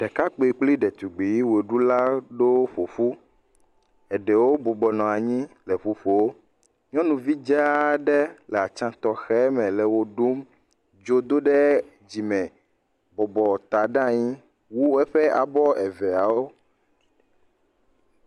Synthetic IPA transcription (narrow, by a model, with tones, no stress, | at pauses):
ɖ̥ɛ˨ka˦k͡pe˨k͡pli˦ɖɛ˨t̪u˨ɡ͡bi˨ji˦we˨ɖu˦la˦ɖo˦ɸo˨fu˦ | ɛ˨ɖɛ˨wo˦bo˨bɔ˨nɔ̃˨a˨ɲĩ˦lɛ˨ɸu˦ɸo˨wo˦ | ɲɔ̃˦nũ˨vi˦d͡ʒɛ˦ɖɛ˦lɛ˨a˨t͡ʃã˦t̪ɔ˨xɛ˦mɛ̃˨lɛ˨wo˦ɖo˦m | d͡ʒo˦d̪o˦ɖɛ˦ | d͡ʑi˨mɛ̃˨ | bɔ˨bɔ˨t̪a˨ɖã˦ɲĩ˦ | wu˦ɛ˦ɸɛ˦a˨bɔ˦ɛ˨vɛ˨a˨wo˦